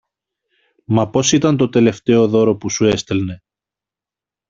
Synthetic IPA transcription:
mɐpo̞sit̪ɐnt̪o̞t̪e̞le̞ft̪e̞o̞ðo̞ɾo̞pusue̞st̪elne̞

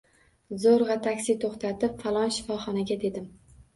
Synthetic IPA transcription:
zoɾʁɑt̪ʰakʲsɪt̪ʰoχt̪ʰat̪ɪpfalˠɒnʃɪ̥fɒχɒnaɡʲad̪e̞d̪ɪm

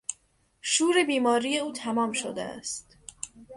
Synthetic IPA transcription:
ʃuːɾe̞biːmɒːɾije̞uːt̪ʰæmɒːmʃod̪ḛæ̰st̪

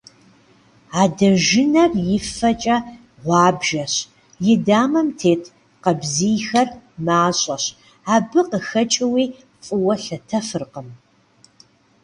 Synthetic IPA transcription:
aːdɐʒɪnɐrjɪfɐt͡ʃʼɐ | ʁʷɑːbʒɐɕ | jɪdaːmɐmtʰeːtʰ | qɐbziːjxɐrmaːɕʼɐɕ | aːbɨqəxɐt͡ʃʼɪwiː | t͡sʼʊwɐɬɐtʰɐfɨrqəm

